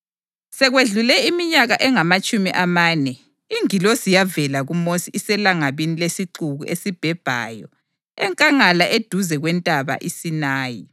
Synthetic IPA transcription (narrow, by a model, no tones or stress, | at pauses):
sɛɣweɮulɛimiɲaɣaʔɛŋamat͡ʃʼumiʔamaːnɛ | iŋilosijavɛlaɣumosiʔisɛlaŋaβinilesiǃuɣuʔesib̥ʱɛb̥ʱa̰ːjɔ | ɛŋkʼaŋalaʔed̥ʱuzɛɣwɛntʼaβa̰ʔisinaːjḭ